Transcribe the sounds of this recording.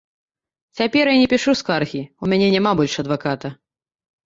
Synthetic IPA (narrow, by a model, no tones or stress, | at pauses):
t͡sʲapʲɛɾjanʲɛpʲiʂuskarɣʲiumʲanʲɛnʲamabɔlʲʂɐd̪vakat̪ɐ